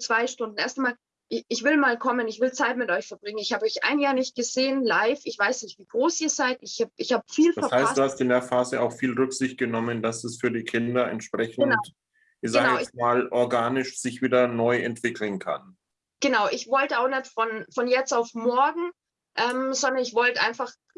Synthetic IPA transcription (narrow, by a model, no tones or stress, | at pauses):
t͡sv̥aɪʃtʊndn̩eɐstamaːl | ʔɪʔɪçv̥ɪlmaːlkʰɔmənɪçv̥ɪlt͡saɪtmɪtʔɔʏçfɛɐb̥ʁɪŋənɪçhaːbəɔʏçʔa̰ɪnjaːɐnɪçt̚ɡ̥əzeːənlaɪfɪçv̥aɪsnɪçtv̥iːɡ̥ʁoːsiːɐzaɪtɪçhaːbʔɪçhaːbəfiːlfdaɛɐshaɪstsd̥uːhastɪndeːɐfaːzəa̰ʊxfiːlʁʏkz̥ɪçt̚ɡ̥ənɔmənd̥asɛsfyːɐdiːkʰɪndɐɛ̰ntʃpʁ̥ɛçnənaʊt | izəaaɛɪsmaːlʔɔɐɡaːnɪʃz̥ɪçv̥iːdɐnɔʏɛntv̥ɪkʰl̩n̩kʰa̰n | ɡ̥ənaʊʔɪçv̥ɔltəaʊxnɛtfɔnfɔnjɛt͡staʊfmɔɐɡŋ̩ | ʔɛːmzɔndɐnɪçv̥ɔltʔa̰ɪnfaχ